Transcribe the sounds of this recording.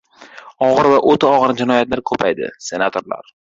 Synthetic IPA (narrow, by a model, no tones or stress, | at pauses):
ɒʁɨɾvaʔot̪ʰaɒʁɨɾnd͡ʒɪnɒjat̪laɾkʰɵpʰajd̪ɪ̰se̞nat̪ʰo̞ɾla̰ɾ